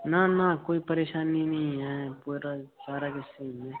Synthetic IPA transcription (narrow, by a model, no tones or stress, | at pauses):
nanakoːipəɾeːʃaːnːinɐɦĩɦɛpuɾasaːɾakɪseɦɛ̃